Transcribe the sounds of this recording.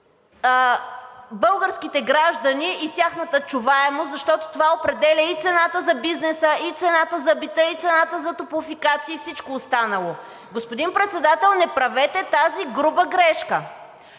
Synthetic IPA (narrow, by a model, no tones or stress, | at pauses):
bɤlˠɡəɾskit̪ɛɡɾaʒd̪ɐniit̪ʲaxnət̪ət͡ʃuvaɛmozɐʃt̪ɔt̪o̥t̪ovaopɾɛd̪ɛlʲəit̪sɛnat̪əzɐbiznɛsəit̪sɛnat̪əzɐbit̪əit̪sɛnat̪əzɐt̪opʊfikat̪siːfsit͡ʃkoːst̪anəlˠo | ɡospod̪inpɾɛt̪sɛd̪at̪ɛlˠnɛpɾɐvɛt̪ɛt̪aziɡɾubəɡɾɛʃkə